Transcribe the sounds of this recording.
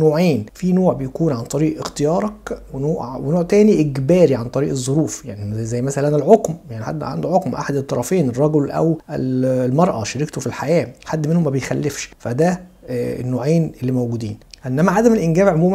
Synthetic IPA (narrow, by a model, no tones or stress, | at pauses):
noːʕeːnfinoːʕbejækuːnʕant̪ˤɑɾiːʔext̪ejɑːɾˤɑkwenoːʔwenoːʕt̪æːniʔekbæːɾiʕant̪ˤɑɾiːʔezˤːoɾuːfjaʕnizæjːmæsælænælʕokmjaʕniħa̰d̪ːʕa̰nd̪oʕokmʔa̰ħad̪et̪ːɑɾˤɑfeːnerˤːɑɡolʔæ̰wʔḛllmɑɾˤʔɑʃɑɾikt̪ofilħajæːħad̪ːmenhomːæbejxælːefʃfæd̪æḛnːoːʕeːnelːiːmæwɡuːd̪iːnʔenːæmæʕad̪æmelʔɪnɡæːbʕomuːm